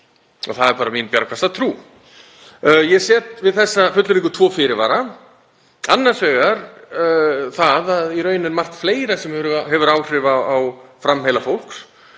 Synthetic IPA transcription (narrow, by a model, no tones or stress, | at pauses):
ɔ̰θaðɛɾpaːɾaminpjaɾakʰast̪at̪ʰɾuː | jɛɣsjɛːt̪vɪðθɛsːafʏt̪lʏɾiŋkʏt̪ʰvɔːfɪɾɪɾvaːɾa | anːaɾsvɛːɣaɾ | θaðaðiɾœːɥnɪnmar̥t̪fleːjɾasɛmhɛɦɛvʏɾaːwr̥ɪvaawfɾamhejlafowl̥ks